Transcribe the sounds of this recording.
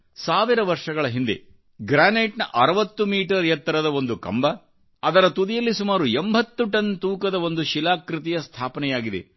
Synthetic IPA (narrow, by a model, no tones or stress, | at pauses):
saːʋiɾɐʋɐɾʂɐɡɐɭɐɦind̪e̞̰ | ɡɾaːneːʈnɐʔɐɾɐʋɐt̪ːumiːʈɐɾjɐt̪ːɐɾɐd̪ɐo̞nd̪ukɐ̰mbɐː | d̪ɐɾɐt̪ud̪ijɐlːisumaːɾuembʱɐt̪ːuʈɐnt̪uːkɐd̪ɐo̞nd̪uʃilaːkɾit̪̬ijɐst̪ʰaːpɐnɛjaːɡid̪e̞̰